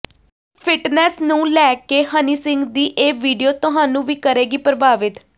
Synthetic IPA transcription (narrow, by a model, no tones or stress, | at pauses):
pʰɪʈnɛːsnũːlɛːkeːhəniːsɪ̃ŋɡd̪iːʔeːʋiːɖijoːt̪ʊɦaːnũːʋiːkəɾeːɡiːpɾəbaːʋɪt̪